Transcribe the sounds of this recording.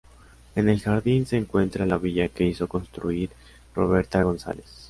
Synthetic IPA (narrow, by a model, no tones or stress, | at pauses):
e̞ne̞lxaɾðinse̞ːŋkwe̞nt̪ɾalaβiʝake̞iso̞ko̞nst̪ɾuiɾ | ro̞βe̞ɾt̪aɣo̞nsa̰les